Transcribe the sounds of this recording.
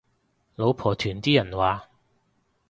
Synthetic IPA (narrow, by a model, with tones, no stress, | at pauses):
lo˨˧wpʰɔː˨˩t̪ʰyː˨˩nt̪iː˥jɐ˨˩nwaː˨